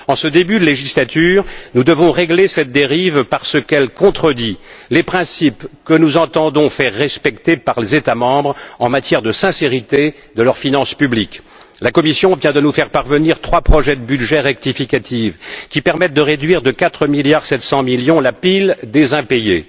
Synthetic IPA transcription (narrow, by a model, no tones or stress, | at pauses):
ɑ̃səd̪ebyd̪leʒislat̪yːʁnud̪əvɔ̃ʁeɡlesɛt̪̚d̪eʁivpaʁsəkɛlkɔ̃t̪χəd̪ilepχɛ̃sipkənuzɑ̃t̪ɑ̃d̪ɔ̃fɛʁːɛspɛkt̪epaʁlezet̪amɑ̃bʁɑ̃mat̪jɛʁd̪əsɛ̃seʁit̪e | d̪əlœʁfinɑ̃spyblik | lakɔmisjɔ̃vjɛ̃d̪ənufɛʁpaʁvəniʁt̪χwapχɔʒɛd̪əbyd̪ʒɛʁɛk̚t̪ifikat̪ʰivkʲipɛʁmɛt̪̚d̪əʁed̪ɥiʁd̪əkat̪χəmiljaʁsɛt̪sɑ̃miljɔ̃lapild̪ezɛ̃peje